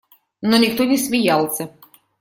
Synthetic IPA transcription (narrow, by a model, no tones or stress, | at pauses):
nɔnʲɪkt̪onʲɪsʲmʲɪjalˠsʲɐ